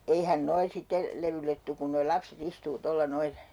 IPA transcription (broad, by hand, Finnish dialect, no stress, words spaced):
eihæn noi sitːe leʋylːet tuk ku noi lɑpset istuː tolːɑ noil